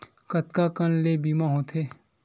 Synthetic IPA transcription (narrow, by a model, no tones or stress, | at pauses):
kət̪kakənlebiːmaɦõt̪ʰeː